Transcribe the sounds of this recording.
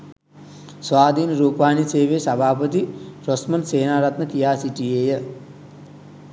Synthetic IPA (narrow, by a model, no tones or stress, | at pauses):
sʋaːd̪ʱiːnɾuːpaːniseːʋeːsɐbʱaːpət̪iɾosmɐnseːnaːɾɐt̪nək̪ijaːsiʈieːjə